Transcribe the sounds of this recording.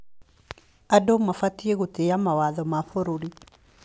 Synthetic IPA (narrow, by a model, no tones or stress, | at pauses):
adomafatieɣoteamawaðɔmaɸoɾoɾi